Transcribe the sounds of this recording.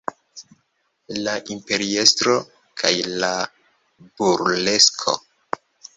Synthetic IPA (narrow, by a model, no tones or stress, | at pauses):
laʔimpe̞ɾiestɾo | kʰa̰jla | buɾle̞skʰo̰